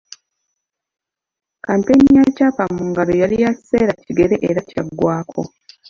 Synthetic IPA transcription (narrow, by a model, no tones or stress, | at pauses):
kaːnteɲːacaːpamːuːŋɡalojalijaci̥seːɾaciɡe̞ɾeʔeɾacaɡːwaːkʰo̞̰